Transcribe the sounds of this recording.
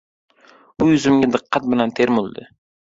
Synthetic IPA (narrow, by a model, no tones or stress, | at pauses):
bʊjʊzɪmɡʲad̪ɨqʰːɑt̪̚bɪlant̪ʰeɾmʊlˠd̪ɪ